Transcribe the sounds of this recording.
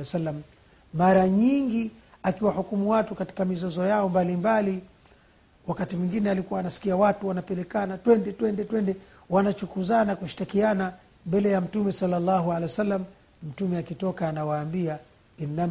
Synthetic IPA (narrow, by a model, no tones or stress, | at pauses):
salːam | maɾaɲiŋɡi | akiwahukumuwatukati̥kamizɔzɔjaɔmbalimbali | wakatimwiŋɡinɛalikuwaːnasi̥kiawatuwanapɛlɛkanatwɛndɛtwɛndɛtwɛndɛ | wanat͡ʃukuzanakuʃi̥takiana | mbɛlɛjam̩tumɛsalːalːaɦualɛwɛsalːam | m̩tumɛakitɔkaːnawaːmbia | inːa